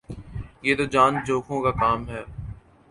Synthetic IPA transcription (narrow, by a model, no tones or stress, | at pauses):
jeːt̪od͡ʒaːnd͡ʒoːkʰõkakaːmɦɛː